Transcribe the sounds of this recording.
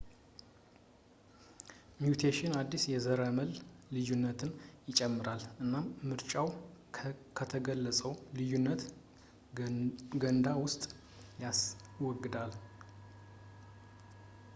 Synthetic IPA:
mjut̪ʰeʃɪnad̪ːisjɛzəɾəməllɨjunːət̪ʰɨnjɪt͡ʃʼɛmːɨɾalʔɨnːamɨɾt͡ʃʼaw | kʰət̪ʰəɡəlːəsʼəwlɨjunːət̪ | ɡənd̪awʊst̪ʼ | jaswɔɡːɨd̪al

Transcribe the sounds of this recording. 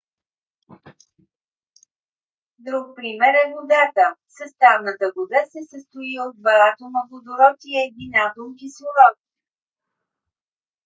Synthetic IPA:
d̪ɾuk̚pɾimɛɾɛvod̪at̪əsəst̪avnət̪əɡod̪asɛsəst̪ʊiod̪̚bɐlat̪onɐpod̪oɾɔt̪iɛd̪inad̪olˠkisʊɾɔt̪i̥

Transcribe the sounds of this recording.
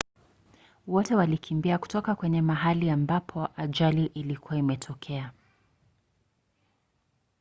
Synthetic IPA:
wɔtɛwalikʰimbiaku̥tɔkakwɛɲɛmaɦaliambapʰɔʔaʄaliʔilikuwaimɛtʰɔkʰɛa

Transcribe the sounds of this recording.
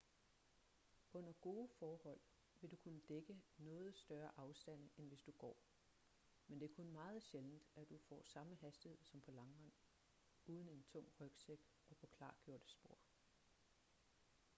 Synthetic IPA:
ɔ̽n̰ɐɡ̥o̝ːəfɒːhɒ̽l̰ | ʋe̝d̥ukʰunəd̥eɡ̥ənɔ̽ːð̞̩ˠsd̥ɶɐʔɑ̈ʊsd̥æn̰enʋe̝sd̥uɡ̥ɒ̰ː | mend̥e̝æɐkʰɔnmɑ̈ːð̩ˠɕeln̩d̥æd̥ufɒ̰ːsɑ̈məɦæsd̥ihe̝ð̰ˠsɒ̽mpʰɒ̽lɑ̈ŋʋɑn̰ | uːð̞ˠən̩e̝nt͡sʰɔ̽ŋ̰ʁœɡ̥seɡ̥ | ɒ̽pʰɒ̽kʰlɑ̈ːɡ̥jo̝ɐ̰d̥əsb̥o̝ɐ̰

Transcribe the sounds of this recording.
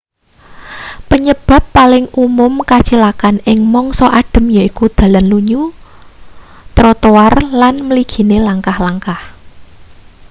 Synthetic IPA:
pəɲəb̥a̤pːalɪŋumʊmkat͡ʃilakanɪŋmɔŋsɔʔaɖ̥ə̤mjaikud̪̥a̤lanluɲu | t̪ɾɔt̪owarlanməliɡ̥i̤nelaŋkahlaŋkah

